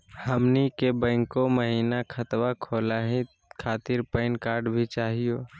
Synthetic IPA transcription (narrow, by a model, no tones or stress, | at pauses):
həmnikebə̃ːŋkoməɦiːnakʰət̪wakʰoːlaːɦĩ | kʰaːt̪ɪɾpəɪnkaːɾɖbʱit͡ʃaːɦijoː